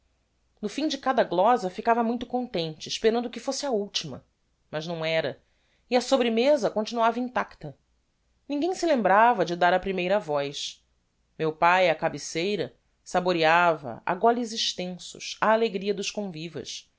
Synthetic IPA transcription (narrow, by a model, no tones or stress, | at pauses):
nʊfĩd͡ʒɪkad̪ɐɡlɔzɐfikavɐmũj̃t̪ʊ̥kõnt̪ẽnt͡ʃɪːʃpeɾɐ̃nd̪ʊkɪfosɪɐuwt͡ʃimɐ̰ | mɐʒnɐ̃w̃ɛɾɐ | iɐsobɾɪmezɐkõt͡ʃinuavɐĩnt̪akt̪ɐ | nĩŋɡẽj̃sɪlẽmbɾavɐd͡ʒɪd̪aɾɐpɾimejɾɐvɔjʃ | mewpajɐkabisejɾɐ | saboɾiavɐ̰a̰ɡɔliziʃt̪ẽsʊ̰ʃɐːleɡɾiɐd̪ʊʃkõvivɐ̰ʃ